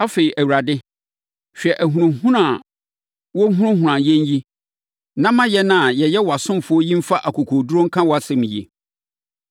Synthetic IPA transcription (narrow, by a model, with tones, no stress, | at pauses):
a˦fe˨i˨ʔæ˨wu˨ɾa˨dɪ˦ | ɕᶣɛ˨ʔæ˨ɦũ˨ɾʊ̃˨hũ˦ɾã˨ | wɔ˦ɦũ˦ɾʊ̃˦hũ˨ɾã˨jɛ̃˦n˦ji˦ | nã˦mã˦jɛ˦nã˦˨jɛ˨jɛ˦wɔ˨a˨sʊ̃˦mfʊ˦ɔ˦jĩ˦m̩˦fa˦ʔa˨kʰo˨kʰo˨du˦ɾõ˦ŋ̩˦kʰã˦wɔ˨a˨sɛ˨mĩ˨jḭ˨